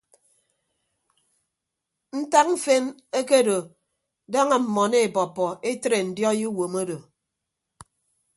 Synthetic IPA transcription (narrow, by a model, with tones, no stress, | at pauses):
n̩˦ta˦k̚m̩˦fe˦n | e˦ke˦˨do˨ | da˦ŋa˨m̩˨mɔ˨ne˦e˨bɔ˨pːɔ˨e˦tɾe˨n̩˨djɔ˦ji˦wo˨mo˦do˨